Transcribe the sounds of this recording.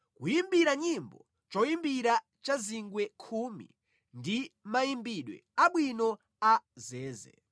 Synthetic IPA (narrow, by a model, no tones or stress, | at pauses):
kujimbiɾaɲimbɔ̰ | t͡ʃɔjimbiɾa | t͡ʃaziŋɡwɛkʰumḭ | ndimajimbiɗwɛ̰aɓwinɔ | azɛːzɛ̰